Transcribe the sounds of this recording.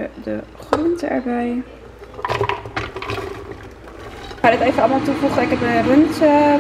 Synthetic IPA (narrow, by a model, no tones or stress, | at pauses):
ədəχrɔntɛ̰ɹbɛj | adɑtejvənɑlˠmaːlˠtuvuχəɪkɛpənrɵnt